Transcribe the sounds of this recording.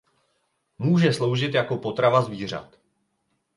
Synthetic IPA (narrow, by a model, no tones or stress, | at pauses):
muːʒɛslo̞wʒɪt̪jako̞po̞t̪ɾavazviːr̝a̰t̪